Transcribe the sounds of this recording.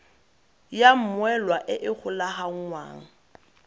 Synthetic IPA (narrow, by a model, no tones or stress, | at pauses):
jam̩mwɛlwaʔɪʔɪk͡xʰʊlaɦaŋ̩ŋwa̰ːŋ̩